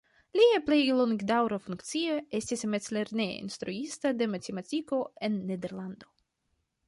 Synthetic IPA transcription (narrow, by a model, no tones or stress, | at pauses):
liaplejloŋɡd̪awɾafuŋkt̪sioest̪ismett͡sleɾnḛḭnst̪ɾuist̪ad̪e̞mat̪ematiko̞e̞nːed̪eɾland̪o̞